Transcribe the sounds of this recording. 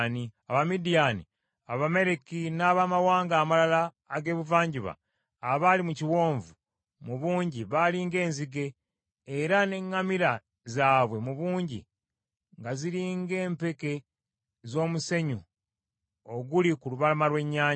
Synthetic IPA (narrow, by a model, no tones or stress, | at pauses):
niaβamidijanḭ | aβame̞ɾekinaːβamawaːŋɡaːmalalaː | ɡe̞ːβuvaːɲɟiβa̰ː | βalimuciwo̞ːɱvu | muβuːɲɟiβaliːŋɡe̞ːnziɡeː | ɾane̞ŋːamiɾa | zaːβwe̞muβuːɲɟḭ | ŋɡaziɾiːŋɡe̞ːmpe̞ke̞ | zo̞ːmuse̞ɲu | oɡulikuluβalamalwe̞ɲːaːɲ